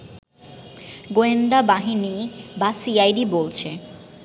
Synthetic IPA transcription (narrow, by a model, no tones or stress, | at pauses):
ɡoend̪abaɦinibasiajɖibolt͡ɕʰe